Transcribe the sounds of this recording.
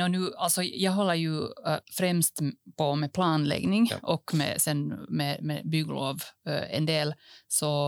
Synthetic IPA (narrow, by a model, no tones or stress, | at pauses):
ɔnʉːalt̪sɔjæɡɦɔlːəɾjʉfɾɛmst̪pʰɔmɛpʰlɑːnlɛ̰ɡnɪŋʔɔkːmɛ̰sɛnːmɛmɛbyɡlo̰ːʋɛ̰nd̪eːlsɔ